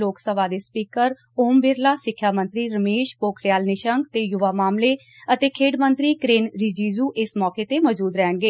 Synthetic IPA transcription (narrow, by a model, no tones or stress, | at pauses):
loːksəbaːd̪eːspiːkəɾ | oːmbɪɾlaːsɪkʰːjaːmənt̪ɾiːɾəmeːʃpoːkʰɾɪjaːlnɪʃəŋɡt̪eːjʊʋaːmaːmleː | ət̪eːkʰeːɖmənt̪ɾiːkɾeːnɾɪd͡ʒiːzuːʔɪsmɔːkeːt̪eːmɔːd͡ʒuːd̪ɾɛːɳɡeː